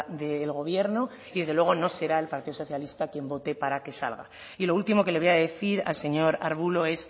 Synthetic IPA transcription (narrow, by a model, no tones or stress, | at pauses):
d̪e̞ːlɣ̞o̞β̞je̞ɾno | iðe̞zðelwe̞ɣ̞o̞no̞se̞ɾae̞lpaɾt̪iðoso̞θjalist̪akje̞mbo̞t̪e̞paɾake̞sa̰lɣa̰ | ilo̞ult̪imo̞ke̞leejaðeθiɾa̰lse̞ɲo̞ɾa̰ɾβ̞ulo̞e̞s